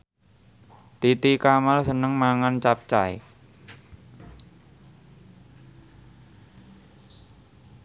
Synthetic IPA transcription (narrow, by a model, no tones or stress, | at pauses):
t̪it̪ikamalsənəŋmaŋant͡ʃap̚t͡ʃae